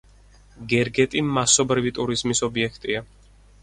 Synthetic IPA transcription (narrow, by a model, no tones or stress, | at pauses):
ɡɛɾɡɛt̪ʼimasɔbɾivit̪ʼuɾizmisɔbiɛkʰt̪ʼia